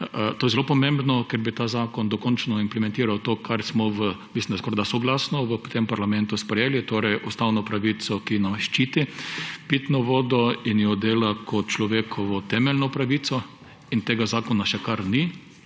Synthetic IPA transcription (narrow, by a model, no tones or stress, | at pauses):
t̪oːjɛzɛlopɔmẽmbnɔkɛɾbit̪aːzaːkɔnd̪ɔkɔnt͡ʃnɔimplɛmɛ̃nt̪iːɾawt̪oːkʰaɾsmɔʋəmislʲimnd̪askɔɾd̪asɔɡlasnɔʋəpt̪empaɾlamɛ̃nt̪ʊspɾɛjeːlit̪oːɾɛjʔust̪awnɔpɾaʋit̪sɔkinamʃt͡ʃiːt̪ipit̪nɔʋoːd̪ɔinjɔd̪eːlakʰɔt̪̚t͡ʃlɔʋeːkʰɔʋɔt̪ɛmɛlnɔpɾaʋit̪sɔ | int̪eːɡazaːkɔnaʃɛkaɾni